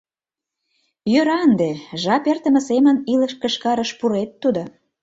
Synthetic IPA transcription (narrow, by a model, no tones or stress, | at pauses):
jøɾɑənd̪eʒɑpert̪ə̆mə̆semə̆niləʃkə̆ʃkɑɾəʃpuɾet̪ːud̪o